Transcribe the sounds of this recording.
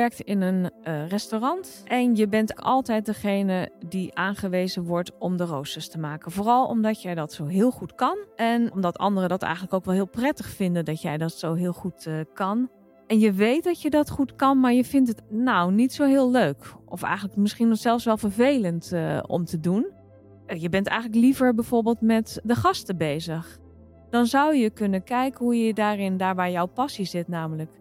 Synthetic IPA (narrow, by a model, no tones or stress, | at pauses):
ʋɛɹk̚tɪnənrɛstorɑnt | ʔɛnjəbɛntɑ̰lˠtɛjt̚dəχejnədiʔaːnχəʋeːzəʋɔɹtɔmdərowstəstəmaːkənvoːrɑlˠɔ̰mdɑtjɛjdɑtsowɦɪːlˠχutkɑnʔɛnɔmdɑtɑ̰ndərədɑtɛ̰jxəntləkowkʋɛlˠɦɪːlˠprɛtəχfɪndədɑtjɛjdɑtsowɦɪːlˠχutkɑn | ɛnjəʋejt̚dɑtjədɑtχutkɑnmaːɹjəvɪntətnownitsowɦɪːlˠløːkʔɔfɛ̰jχənləkmɪsχinɔχsɛlˠfsʋɛlˠvəɹvejləntɔ̰mtədun | jəbɛntɛ̰jχənləklivəɹbɛjv̥oːɹbeːlˠtmɛtdəχɑstəbejzəχ | d̥ɑnzawjəkɵnənkɛjkənɦujədaːrɪndaːɹʋaːɹjɔwpɑsizɪtnaːmələk